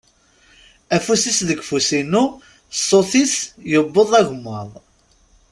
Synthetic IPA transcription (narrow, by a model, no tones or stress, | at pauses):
æfusisðəɡfusinu | soθisjəbːəðˤæʝmːəðˤ